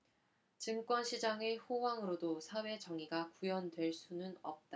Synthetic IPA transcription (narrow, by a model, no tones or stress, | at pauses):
t͡ɕɯŋk͈wʌnɕʰid͡ʑaŋeɸowaŋɯɾodosʰawe̞t͡ɕʌŋiɡakujʌndwe̞ɭs͈unɯnʌ̰p̚t͈a